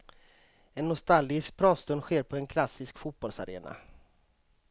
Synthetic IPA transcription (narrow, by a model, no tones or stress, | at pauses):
ɛnːʊst̪alɡɪsk̚pʰɾɑːst̪ɵnd̪ɧeːɾpʰɔɛnkʰlasːɪskfut̪̚bɔlsaɾḛːna̰